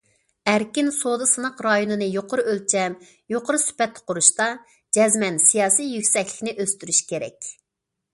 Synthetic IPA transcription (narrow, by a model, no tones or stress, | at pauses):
æɾkʲinsod̪ɨsɨnəqɾɑjonɨnɨjoqʰʊɾɨølt͡ʃʰɛm | joqʊɾɨsy̥pɛt̪ʰːqʰʊɾuʃt̪ɑ | d͡ʒɛzmɛnsijɑːsijjykʲsɛkʲlɪ̥kʲnɪʔøst̪yɾyʃkʲeɾɛ̰kʲ